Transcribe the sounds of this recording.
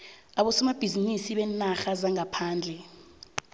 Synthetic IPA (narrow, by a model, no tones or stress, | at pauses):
aɓɔsɛmab̥ʱizinisiɓɛnaxazaŋapʰaːnd͡ɮʱɛ